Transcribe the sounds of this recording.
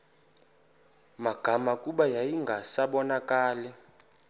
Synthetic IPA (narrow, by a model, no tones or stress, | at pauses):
maɡ̥ʱamakʼuɓajajiŋɡʱasaɓɔnakʼaːlɛ